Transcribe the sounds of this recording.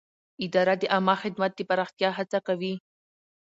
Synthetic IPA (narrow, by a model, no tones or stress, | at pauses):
ɪd̪ɑɾad̪əʔamɑxɪd̪mat̪̚d̪əpaɾɑxt̪jɑɦat͡sakawi